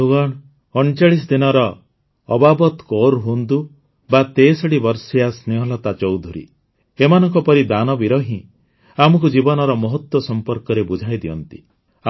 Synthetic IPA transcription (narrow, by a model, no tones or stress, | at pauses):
uɡɔɽ | ɔɳt͡ʃaɭis̬ɔd̪inɔɾɔː | babɔt̪koɾɦund̪u | bat̪esɔɽibɔɾsijasneɦɔlɔt̪at͡ʃɔwd̪ʱuɾḭ | emanɔŋkɔpɔɾid̪anɔbiɾɔɦĩ | amɔk̬ud͡ʒibɔnɔɾɔmɔɦɔt̪wɔsɔmpɔɾkɔɾebud͡ʒʱajd̪iɔnt̪i